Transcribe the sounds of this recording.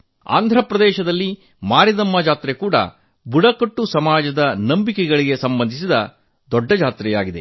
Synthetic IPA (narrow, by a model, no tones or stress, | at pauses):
a̰ːnd̪ʱɾɐpɾɐd̪ɛːʃɐd̪ɐlːi | maːɾid̪ɐmːɐd͡ʒaːt̪ɾekuːɽɐ̰ | buɽɐkɐʈːusɐmaːd͡ʒɐd̪ɐnɐmbikɛɡɐɭiɡe̞sɐmbɐnd̪ʱis̬id̪ɐ | d̪ɔɖːɐd͡ʒaːt̪ɾɛjaːɡid̪e̞̰